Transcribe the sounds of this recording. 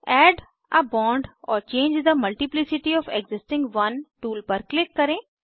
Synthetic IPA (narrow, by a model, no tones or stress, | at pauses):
ɛːɖ | ʔəbɔ̃ːɳɖɔːɾt͡ʃẽːnd͡ʒd̪əmɐlʈiplɪsɪʈiɔfeɡzɪsʈɪ̃ŋɡʋɐ̃nʈuːlpəɾklɪkːɐɾẽ